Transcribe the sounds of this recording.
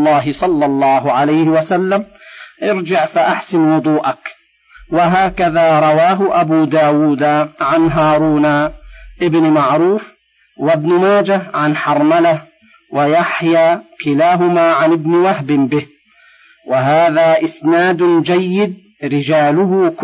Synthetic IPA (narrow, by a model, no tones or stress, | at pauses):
lːɑːɦɪsˤɑlːɑlˤːɑːɦʊʕalajhɪwasalːamʔɪɾd͡ʒɪʕfaʔaħsɪnwʊd̪ˤuːʔak | waɦaːkaðaːɾˤɑwaːɦʊʔabuːd̪aːwuːd̪aʕanɦaːɾˤuːnaʔɪbnmaʕɾuːf | wabnʊmaːd͡ʒaʕanħɑɾˤmala | wajaħjaːkɪlaːɦʊmaːʕanɪbnwahbɪmbɪh | waɦaːðaːʔɪsnaːd̪d͡ʒajːɪd̪̚ | ɾɪd͡ʒaːlʊhʊk